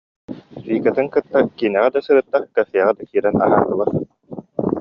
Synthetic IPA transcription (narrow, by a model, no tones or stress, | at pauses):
fiːkat̪ɯŋkɯt̪ːakiːnɛʁɛd̪asɯɾɯːt̪ːaχkafiɛʁɛd̪akiːɾɛna̰ɦaːt̪ɯlˠɯχ